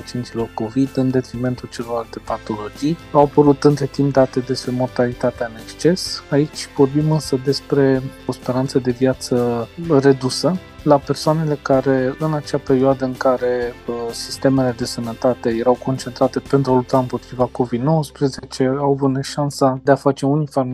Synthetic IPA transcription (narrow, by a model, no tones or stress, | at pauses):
pat͡ʃient̪silo̞rko̞vid̪ɨnd̪e̞t̪ɾime̞nt̪ult͡ʃe̞lo̞ɾalt̪e̞pat̪o̞lo̞d͡ʒijawapəɾut̪ɨnt̪ɾe̞t̪impd̪at̪e̞d̪e̞spɾe̞mo̞rt̪alit̪at̪eaɨne̞kst͡ʃe̞sait͡ʃʲvo̞rbimɨnsəd̪e̞spɾe̞o̞spe̞ɾant̪səd̪e̞vjat̪səre̞d̪usə | lape̞rsoane̞le̞kaɾe̞ɨnat͡ʃeape̞ɾioad̪əɨŋkaɾe̞əsi̥st̪e̞me̞le̞d̪e̞sənət̪at̪e̞je̞ɾawko̞nt͡ʃent̪ɾat̪e̞pe̞nt̪ɾualup̚t̪aɨmpo̞t̪ɾivako̞vid̪no̞wəspɾeze̞t͡ʃe̞awavut̪neʃansad̪e̞afat͡ʃe̞unifam